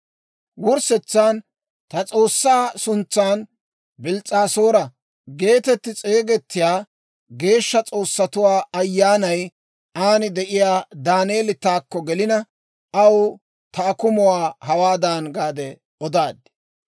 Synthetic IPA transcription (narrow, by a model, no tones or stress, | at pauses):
wʊɾsɛt͡sːaːn | t̪ɐt͡sʼo̞ːsːaːsʊnt͡sːaːn | bɪlt͡sʼːaːso̞ːɾɐ | ɡe̞ːt̪ɛt̪ːɪt͡sʼe̞ːɡɛt̪ːɪjaː | ɡe̞ːʃːɐt͡sʼo̞ːsːɐt̪ʊwaːɐjːaːnɐj | aːnɪd̪ɛʔɪjaːd̪aːneːlɪt̪aːkːɔɡɛlɪnɐ | ɐw | t̪ɐːkʊmʊwaːhɐwaːd̪aːnɡaːd̪ɛ | ɔd̪aːd̪ɪ